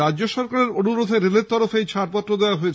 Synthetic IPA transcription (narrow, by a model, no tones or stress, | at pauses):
ad͡ʑoʃɔɾkaɾeɾonuɾod̪ʱeɾeleɾt̪ɔɾofejt͡ɕʰaʈpɔt̪ːɾod̪eoaɦoet͡ɕʰ